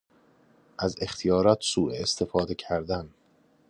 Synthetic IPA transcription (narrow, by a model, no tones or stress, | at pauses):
ʔæze̞xt̪ʰijɒːɾɒːt̪ʰsuːʔeːst̪ʰe̞fɒːd̪e̞cʰæɾd̪æn